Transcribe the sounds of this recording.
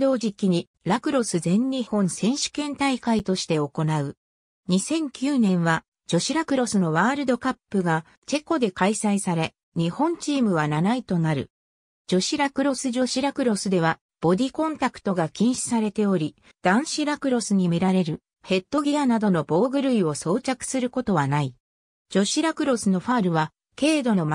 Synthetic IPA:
d̪o̞ːd͡ʑikʲːiɲ̟i | ɾakɯ̟ɾo̞sɨzẽ̞ɲʲːihõ̞ɰ̃sẽ̞ɰ̃ɕɨ̥kẽ̞nt̪aikait̪o̞ɕi̥t̪e̞o̞ko̞naɯ̟ | ɲ̟isẽ̞ŋkʲɨːnẽ̞ɰ̃βa | d͡ʑo̞ɕiɾakɯ̟ɾo̞sɨno̞βaːɾɯ̟d̪o̞kapːɯɡa | t͡ɕe̞ko̞d̪e̞kaisaisaɾe̞ | ɲ̟ihõ̞ɲt͡ɕiːmɯ̟β̞ananait̪o̞naɾɯ̟̰ | d͡ʑo̞ɕiɾakɯ̟ɾo̞sɨʑo̞ɕiɾakɯ̟ɾo̞sɨd̪e̞β̞a | b̥o̞d̪ʲikõ̞nt̪akɯ̟̥t̪o̞ɡakʲĩɰ̃ɕi̥saɾe̞t̪e̞o̞ɾʲi | d̪̥ãɰ̃ɕiɾakɯ̟ɾo̞sɨɲ̟imiɾaɾe̞ɾɯ̟ | he̞t̪ːo̞ɡʲianad̪o̞no̞bo̞ːɡɯ̟ɾɯ̟io̞so̞ːt͡ɕakɯ̟̥sɨɾɯ̟ko̞t̪o̞βanai | d͡ʑo̞ɕiɾakɯ̟ɾo̞sɨno̞ɸaːɾɯ̟βa | ke̞ːd̪o̞no̞m

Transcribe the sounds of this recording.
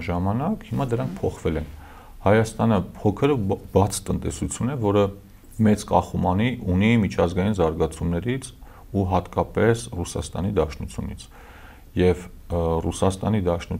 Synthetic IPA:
ʒɑmɑnɑkhimɑd̪əɾɑŋk̚ʰpʰɔχvɛlɛn | hɑjɑst̪ɑnəpʰɔkʰəɾbɑt͡sʰt̪ənt̪ɛ̰sut͡sʰjunɛvɔɾə | mɛt͡skɑχumɑniʔunimit͡ʃʰɑzɡɑjinzɑɾɡɑt͡sʰumnɛɾit͡sʰ | uɦɑt̪kɑpɛsrusɑ̰st̪ɑ̰nid̪ɑʃnut͡sʰjṵnḭt͡sʰ | jɛv | rusɑst̪ɑnid̪ɑʃnu

